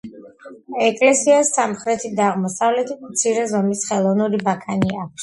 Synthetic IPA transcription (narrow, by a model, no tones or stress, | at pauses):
ɛkʼlɛsiasːamχɾɛt̪ʰid̪aːʁmɔsavlɛt̪ʰit̪ʰmt̪sʰiɾɛzɔmisχɛlˠɔvnuɾibakʰaniak̚ʷʰs